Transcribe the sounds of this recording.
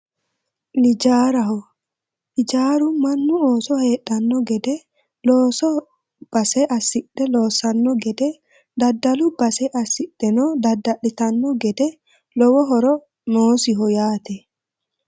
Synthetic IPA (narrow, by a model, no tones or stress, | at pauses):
lɪd͡ʒaːɾɐɦɔ | lɪd͡ʒaːɾʊmɐnːʊoːsɔhe̞ːɗːɐnːɔɡɛd̪ɛ | loːsɔ | b̥ɐsɛʔɐsːɪᶑːɛlo̞ːsɐnːɔɡɛd̪ɛ | d̪ɐd̪ːɐlʊbɐsɛʔɐsɪɗɛnɔd̪ɐd̪ːɐɗɪt̪ɐnːɔɡɛd̪ɛ | lɔwɔɦɔɾɔ | noːsɪɦɔjaːt̪ɛ